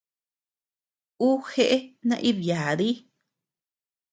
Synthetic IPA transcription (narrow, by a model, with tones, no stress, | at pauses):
u˦xe˦ʔe˦nã̰˧ʔi˦βja˨ði˦